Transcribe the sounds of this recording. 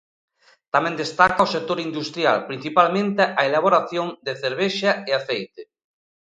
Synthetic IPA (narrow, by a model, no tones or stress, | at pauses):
t̪amɛ̃nd̪est̪akɐosek̚t̪oɾind̪ust̪ɾja̰lpɾin̟θipalmẽnt̪eʔaelaβ̞oɾaθjoŋd̪eθeɾβ̞eʃaeaθejt̪e